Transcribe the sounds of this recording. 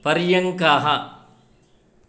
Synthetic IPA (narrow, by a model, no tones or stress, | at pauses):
pɐɾjɐŋkaːɦɐ